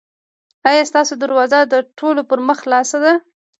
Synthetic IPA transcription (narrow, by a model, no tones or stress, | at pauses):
ɑjɑst̪ɑsod̪aɾwɑzad̪əʈʰolopəɾməxlɑsad̪a